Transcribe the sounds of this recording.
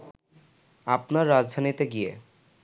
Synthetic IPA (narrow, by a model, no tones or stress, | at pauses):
apnaɾːad͡ʑd̪ʱanit̪eɡijḛ